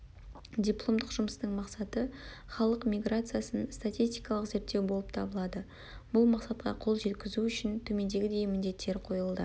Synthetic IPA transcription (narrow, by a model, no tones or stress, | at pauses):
d̪ʲijplˠo̞md̪əqʒ̥ʊməst̪əɴmɑqsɑt̪ə | χɑlˠəqmʲijɡɾat̪sɨjasənst̪atʲijst̪ijkɑlˠəqze̞ɾt̪ːe̞wbo̞lˠəp̚t̪ʰɑbəlˠɑd̪ə | b̥ʊlˠmɑqsɑt̪qʰɑ̰qʰo̞lˠʒe̞t̪kʲɪzuʏʃɪnt̪ʰɵme̞nd̪e̞ɡʲɪd̪e̞jmɪnd̪e̞t̪ːe̞ɾqʰo̞jəlˠd̪ə